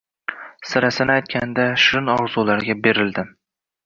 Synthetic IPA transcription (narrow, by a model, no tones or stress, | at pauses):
sɪɾasɪnɪajt̪̚kʲand̪aʃɪnɒɾzulaɾɡʲabe̞ɾɪld̪ɪ